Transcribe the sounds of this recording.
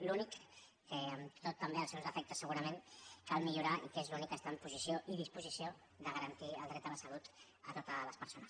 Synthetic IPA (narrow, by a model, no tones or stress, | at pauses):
lunikː | əəmt̪ot̪ːəmbeəlˠsɛwzəfɛk̚t̪əsːəɣuɾəmẽnkalˠmiʎuɾaḭkezlunikəst̪ampuzisjoʔið̞ispuzisio | ðəɣəɾənt̪iəlˠd̪ɾɛt̪ələsəlut̪ | ət̪ot̪ələspəɾsonəs